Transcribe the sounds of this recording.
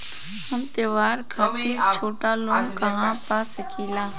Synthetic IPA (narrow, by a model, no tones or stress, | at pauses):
həmt̪eːʋaːɾkʰaːit͡ʃʰoːʈaːlõːkɐɦãpasəkʰiːlaː